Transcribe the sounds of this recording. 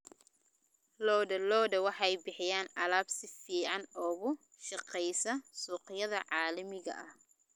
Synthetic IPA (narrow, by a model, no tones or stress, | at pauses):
lɔːdɐlɔːdɐwɑħɑjbɪħɪjaːnɐlaːbsɪfiːʕɑnɔːɣʊ | ʃɑqɛjsɐsuːqɪjɐðɐʕɑːlɐmɪɣɐ̰ʔɐh